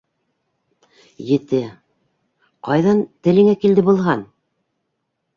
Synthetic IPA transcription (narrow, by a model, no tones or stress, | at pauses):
jɘ̆t̪ɘ | qɑjðɑnt̪ɘ̆lɘ̆ŋækild̪ɘbulˠɦɑn